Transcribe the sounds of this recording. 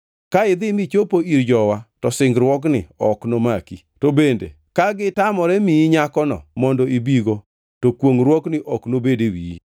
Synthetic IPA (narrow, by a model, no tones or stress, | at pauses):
kaɪd̪ɪmit͡ʃopoiɾd͡ʒɔwatɔsɪŋɡɾwɔk̬nɪ̰ɔknomaki | tobendḛ | kaɡɪtamɔɾɛmiɲakɔnɔ̰mɔndɔibiɡo | tokwoŋɾwɔknɪʔɔknobedewii